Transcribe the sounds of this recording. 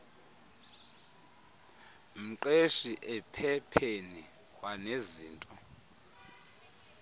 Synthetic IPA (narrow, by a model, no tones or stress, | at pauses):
m̩ǃeʃiʔɛpʰɛpʰeni | kʼwaneziːntʼɔ